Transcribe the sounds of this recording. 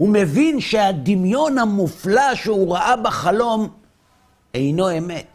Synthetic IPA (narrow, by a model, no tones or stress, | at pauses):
hume̞vinʃead̪imjo̞nhamuflaʃeuʁaʔabeχalo̞m | ejno̞e̞me̞t̪